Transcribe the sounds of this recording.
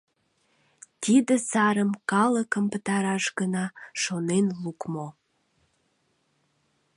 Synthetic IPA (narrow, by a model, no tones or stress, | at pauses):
t̪id̪əsɑɾəmkɑləkəmpət̪ɑɾɑʃɡənɑʃonenlukmo